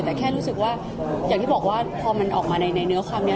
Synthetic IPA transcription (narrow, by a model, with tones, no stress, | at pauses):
t̪ɛː˨˩kʰɛː˥˩ɾuː˦˥sɯ˨˩k̚waː˥˩ | jaː˨˩ŋt̪iː˥˩bɔː˨˩k̚waː˥˩pʰɔː˧ma˧nʔɔ̰ː˨˩k̚maː˧na˧jna˧jnɯ˦˥ɐkʰwaː˧mni˦˥ɐ